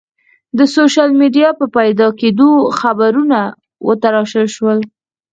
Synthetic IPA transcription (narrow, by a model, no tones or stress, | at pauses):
d̪əsoʃalmeɖijɑpəpajd̪ɑked̪oxabaɾuna | wʔə̰t̪aɾɑʃəlʃwəl